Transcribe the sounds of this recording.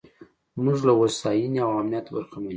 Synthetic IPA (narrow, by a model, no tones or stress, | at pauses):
muʒlawosɑjiniawamnijat̪obaɾxaman